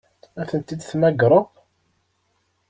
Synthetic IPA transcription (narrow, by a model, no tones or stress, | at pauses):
æθənt̪id̪θmæɡɾˤəʁ